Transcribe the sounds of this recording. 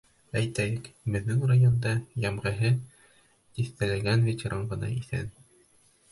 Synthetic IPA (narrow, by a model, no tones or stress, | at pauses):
æjt̪æjɘkbɘ̆ðːɘŋrajond̪ɑjɑmʁɤ̆ɦɘ | iθt̪ælæɡænvʲet͡ɕɾɑɴɢɤ̆nɑ̰iθæ̰n